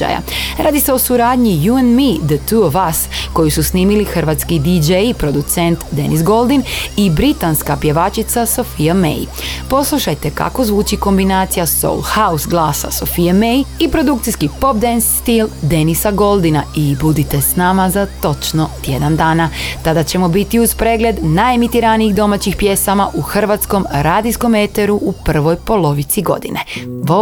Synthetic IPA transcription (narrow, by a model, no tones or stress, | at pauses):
a̰ja̰ɾaːd̪ise̞o̞suɾaːd̪ɲijuenmid̪ət̪uoʋasko̞jususniːmilixrʋaːt̪skid̪id͡ʒejpɾo̞d̪ut̪sent̪d̪e̞̰nʔisɡo̞lˠd̪inibɾit̪anskapje̞ʋaːt͡ʃit̪saso̞fijamḛjpo̞slˠuʃajt̪e̞ka̰ko̞zʋuːt͡ʃiko̞mbinaːt̪sijaso̰lˠhausɡlˠaːsa̰so̞fijamejipɾo̞d̪uk̚t̪ijskipo̞p̚d̪ensːt̪ild̪e̞nisaɡo̞lˠd̪inaibud̪it̪e̞snamazat̪o̞t͡ʃno̞t̪je̞d̪and̪aːnat̪ad̪at͡ɕe̞mo̞bit̪iuzpɾe̞ːɡle̞d̪najemit̪iɾaniiɣd̪o̞mat͡ɕixpje̞samaʔuxr̩ʋat̪sko̞mɾaːd̪isko̞met̪e̞ɾuʔupr̩ʋo̞jpo̞lo̞ʋit̪siɡo̞̰d̪ḭne̞̰